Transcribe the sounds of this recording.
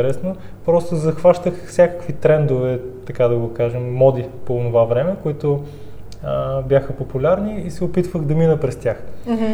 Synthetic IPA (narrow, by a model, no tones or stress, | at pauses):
ɾɛsno | pɾɔst̪ʊzɐxvaʃt̪əxfsʲjakə̥kvit̪ɾɛnd̪ʊvɛt̪ɐkad̪ɐɡokaʒɛmːɔd̪ipoːnʊvavɾɛmɛkoit̪ʊ | əbjaxəpopʊlʲaɾniisɛopit̪vəxd̪ɐminəpɾɛst̪ʲjax